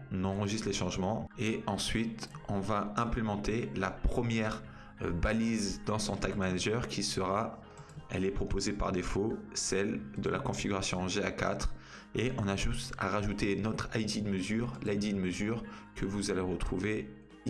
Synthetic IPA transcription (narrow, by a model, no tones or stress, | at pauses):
ɔnɑ̃ʁəʒist̪leʃɑ̃ʒmɑ̃eɑ̃sɥit̪ɔ̃vaɛ̃plemɑ̃t̪elapχəmjɛʁ | balizd̪ɑ̃sɔ̃t̪akmanaʒœʁkʲʰisəʁa | ɛ̰lɛpχɔpozepa̰ʁd̪efosɛld̪əlakɔ̃fiɡʲyʁasjɔ̃ʒeaka̰t̪χ | eʔɔ̃naʒut̪a̰ʁaʒut̪enɔt̪χajd̪id̪əməzyʁlajd̪id̪əməzyʁkʰəvuzaleʁət̪χuve